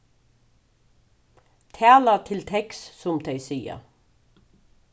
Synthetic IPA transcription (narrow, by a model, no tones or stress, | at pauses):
t̪ʰæːlat̪ʰɪlt̪ʰɛkssʊmd̪ʰejsiːa̰